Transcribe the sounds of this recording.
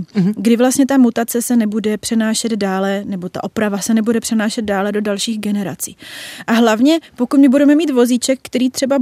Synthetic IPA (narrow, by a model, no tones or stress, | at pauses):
ɡdɪvlast̪ɲɛt̪amut̪at͡sɛsɛnɛbudɛpr̥ɛnaːʃɛd̪daːlɛnɛbo̞t̪a̰ʔo̞pɾavasɛnɛbudɛpr̝̥ɛnaːʃɛd̪̚daːlɛdo̞dalʃiːɣɡɛnɛɾa̰t͡siːʔaɦlavɲɛpo̞kut̪mɪbudɛmɛmiːt̪vo̞zit͡ʃɛkːt̪ɛɾiːt̪r̝̥ɛba